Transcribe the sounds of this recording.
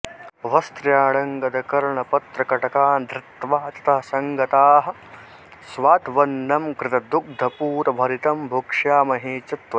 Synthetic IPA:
ʋɐst̪ɾjaːɽɐŋɡɐd̪ɐkɐɾɳɐpɐt̪ɾɐkɐʈɐkaːnd̪ʱɾɪt̪ʋaːt̪ɐ̥t̪ɐɦɐsɐŋɡɐt̪aːɦɐ̆ | sʋaːt̪ʋɐnːɐmkɾɪt̪ɐd̪uk̚d̪ʱɐpuːɾɐbʱɐɾit̪ɐmbʱukʂaːmɐɦeːt͡ʃɐt̪ʋɐ

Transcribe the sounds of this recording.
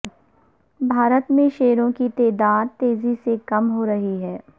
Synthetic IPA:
bʱaːɾət̪mẽʃeːɾõkit̪ɛːd̪aːd̪̚t̪eːzisekɐmɦoɾɐɦiɦɛː

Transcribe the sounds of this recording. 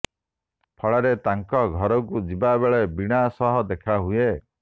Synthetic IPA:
pʰɔɭaɾet̪aŋkɔɡʱɔɾɔkud͡ʒibabeɭebiɽ̃asɔɦɔd̪ekʰaɦue

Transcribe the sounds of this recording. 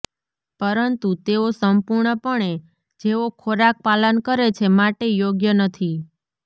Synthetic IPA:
pəɾənt̪ut̪eosəmpuɾɳəpəɳe | d͡ʒeokʰoɾak̚palənkəɾet͡ʃʰemaʈejoɡjənət̪ʰi

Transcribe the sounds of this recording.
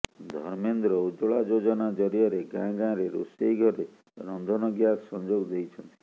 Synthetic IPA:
d̪ʱɔɾmend̪ɾɔud͡ʒoɭad͡ʒod͡ʒɔnad͡ʒɔɾiɔɾeɡãɡãɾeɾusejɡʱɔɾe | ɾɔnd̪ʱɔnɔɡjasɔnd͡ʒoɡd̪ejt͡ʃʰɔnt̪i̥

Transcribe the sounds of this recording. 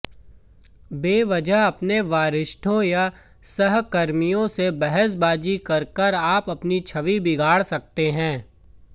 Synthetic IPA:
beːʋɐd͡ʒəɦɐpneʋaːɾɪʃʈʰõja | sɐɦkɐɾmijõsebɛɦəs̬baːd͡ʒikɐɾkəɾaːpɐpnit͡ʃʰɐʋibɪɡʱaːɽsɐk̚t̪eɦɛ̃ː

